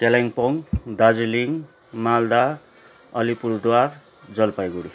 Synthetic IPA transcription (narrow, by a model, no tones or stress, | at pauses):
kelaŋpoŋd̪ad͡ziliŋ | mald̪a | ʌlipurd̪war | d͡zʌlpajɡuɽi